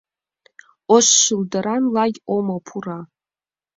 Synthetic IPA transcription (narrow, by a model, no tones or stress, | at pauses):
oʃʃɨldaɾanlaɡʲomapʰura